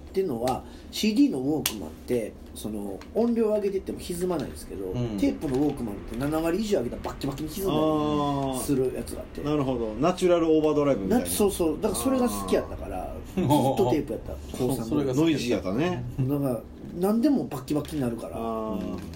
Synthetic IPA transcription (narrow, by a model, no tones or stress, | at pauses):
t̪ːe̞ɯno̞βa | ɕiːd̪ʲiːno̞βoːkɯ̟mã̰nt̪e̞ | so̞no̞õ̞mbʲo̞ːaɡe̞t̪e̞it̪ːe̞mo̞çizɨmana̰ḭ̃d̪esɨ̥ke̞̰d̪o̞̰t̪e̞ːpɯ̟no̞βo̞ːkɯ̟mã̰nt̪ːe̞nanaβaɾʲiːʑoːaɡe̞t̪abakʲːibakʲːiɲiçizɨma | sɨɾɯ̟jʔa̰t͡sɨɡa̰ːt̪ːe̞̰naɾɯ̟ɦod̪onat͡ɕɨɾaɾɯ̟oːbaːd̪o̞ɾaibɯmʲiaaso̞ːso̞ːd̪akaso̞ɾe̞ɡasɨ̥kʲiat̪ːakaɾa̰ | ɨt̪ːot̪e̞ːpɨjat̪ːa̰ | kʰoːsãnnoid͡ʑiat̪ːaned̪aka | nãnd̪e̞mo̞bakʲːibakʲːiɲ̟inaɾɯ̟kaɾa̰ɯ